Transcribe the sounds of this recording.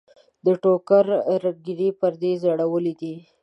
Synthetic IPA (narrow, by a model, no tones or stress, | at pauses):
d̪əʈokaɾɾəɡ̚ɡiɾipəɾd̪ezaɽawəlid̪i